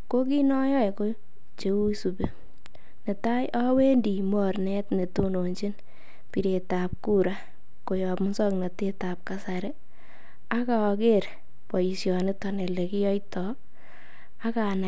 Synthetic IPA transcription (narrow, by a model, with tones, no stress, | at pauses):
ko˦k̬i˦nɔ˦jɔ˦ɛ˨ko˦ | t͡ʃe˨wu˦su˨be˦ | ne˨ta˦jʔa˦we˦ndi˨mɔrnɛ˦tne˨to˦no˨ɲt͡ʃi˦n | pi˨ɾe˨ta˨p̚ku˦ɾa˦ | ko˨jɔ˨pmʊ˦sɔ˦kna˨te˦ta˨p̚kasa˨ɾɛ˦ | a˦ka˨ɔ˨ke˦ɾ | pɔ˨i˨sjɔ˨ne˦tɔ˨nɛ˨le˨kɪ˦jɔ˦jtɔ | a˦ka˨na˨